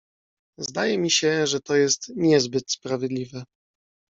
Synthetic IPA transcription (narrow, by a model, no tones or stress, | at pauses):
zd̪ajɛmʲiɕɛʐɛt̪ɔjɛst̪ɲɛzbɘt̪spɾavʲjɛd̪lʲivɛ